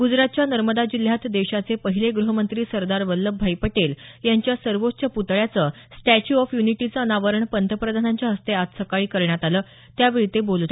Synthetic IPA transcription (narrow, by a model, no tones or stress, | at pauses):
ɡud͡zɾat̪̚t͡ɕjanəɾməd̪ad͡ʑil̤jat̪d̪eɕat͡sepəɦileɡɾuɦəmənt̪ɾiːsəɾd̪aɾʋəlːəbʱajpəʈeljaɲt͡ɕjasəɾʋotːɕəput̪ɭjat͡sə | sʈæt͡ɕuɔfjuniʈit͡səːnaʋəɾəɳpənt̪ʰəpɾəd̪ʱanaɲt͡ɕjaɦəst̪eat̪səkaɭiːkəɾɳjat̪aləː | t̪jaʋeɾit̪ebolt̪